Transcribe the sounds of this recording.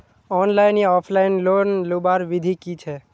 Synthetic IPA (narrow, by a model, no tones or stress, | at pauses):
ɔːnlaɪneɔːpʰlaɪnloːnlubaːɾʋɪd̪ʱikit͡ʃʰɛ